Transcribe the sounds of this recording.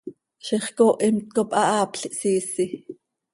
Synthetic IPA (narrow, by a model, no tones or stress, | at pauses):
ʃiχkoʔimt̪̚kopʼʔɑʔɑːpɬiʔsiːsi